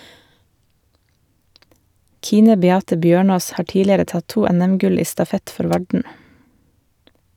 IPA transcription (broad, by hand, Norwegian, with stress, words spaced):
ˈkiːnə bɛˈɑːtə ˈbjøːˌɳoːs ˈhɑː ˈʈiːlɪəɾə ˈtɑt ˈtuː ˈɛnɛmˌɡʉl ˈiː stɑˈfɛt ˈfɔɾ ˈʋɑɖɳ̩